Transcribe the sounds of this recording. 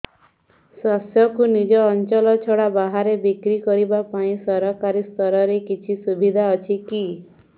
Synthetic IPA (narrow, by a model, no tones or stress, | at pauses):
sasjɔkunid͡ʒɔːnt͡ʃɔlɔt͡ʃʰɔɽabaɦaɾebikɾikɔɾibapaĩsɔɾɔkaɾist̪ɔɾɔɾekit͡ʃʰisubʱid̪ʱaɔt͡ʃʰiki